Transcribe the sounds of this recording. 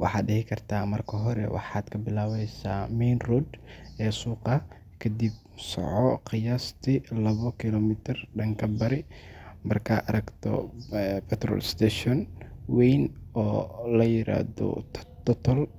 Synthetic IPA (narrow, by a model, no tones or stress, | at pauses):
wɑ̰ħɑːd̪ɖɪhɪkʰɐrt̪ʰaːmɐrkʰɐɦɔɾɛ̰wɑ̰ħɑːd̪̥kʰɐbɪlaːwɛjsaːmɛjnrud̪ɛːsuːqɑ | kʰɐd̪ib̚ | sɔ̰ʕɔqɪjaːst̪ʰɪlɐβɔkʰɪlɔmɪt̪ʰɪrɖɐŋkʰɐbɐɾɪmɐrkʰɐɐɾɐɡt̪ʰɔ̰pɛt̪rɔ̰ːlst̪ʰɛːʃɔnwɛjnɔːlɐjɪɾa̰ːðɔ̰t̪ʰɔt̪ʰɔl